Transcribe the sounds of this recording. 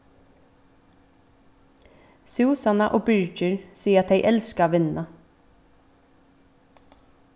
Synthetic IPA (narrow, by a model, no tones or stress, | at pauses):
suːsɑnɑʔoːbʏɹc͡çəɹsiːəɑt̪heɪʔɛlskɑʋɪnɑ